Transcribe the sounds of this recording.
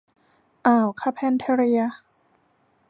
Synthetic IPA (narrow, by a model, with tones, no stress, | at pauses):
ʔaː˨˩wkʰa˧˥pʰɛ˧nt̪ʰɛ˧ɾi˧ɐ˧